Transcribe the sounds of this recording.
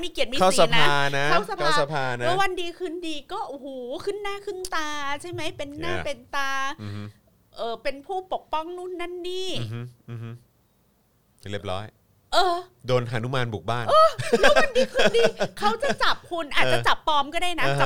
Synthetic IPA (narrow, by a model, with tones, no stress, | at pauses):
miː˧ki˨˩ət̪̚miː˧kʰa˥˩ssa˧˦pnaaː˥˧na˦˥a˥˩wsa˧pʰa˥˩˧sa˧pʰaː˧na˦ɛ˦˥wa˧ndiː˧kʰɯ˥˩ndiː˧kɔː˥˩ʔu˧˩huː˨˩˦kʰɯ˥˩nːaː˥˩kʰɯ˥˩nt̪aː˧t͡ɕʰa˥˩jma˦˥jpe˧nːaː˥˩˧pe˧nt̪aː˧˦ | ʔɤː˨˩pe˧npʰuː˥˩po˨˩k̚pɔ˥˩ŋnu˥˩nːa˥˩nːiː˥˩˦ | li˥˩p̚lɔ̰ː˦˥j | ʔɤː˧ | doː˧naː˨˩˦nu˦˥maː˧nbu˨˩k̚aː˥˩nʔɤː˧lʰa˧ndiː˧kʰɯː˥˩diː˧kʰa˦˥wt͡ɕa˨˧˩t͡ɕa˨˩p̚kʰu˧nʔaː˨˩t̚ːa˨˧t͡ɕa˨˩pːɔː˨˥mkɔː˥˩aː˥˩jna˦˧˦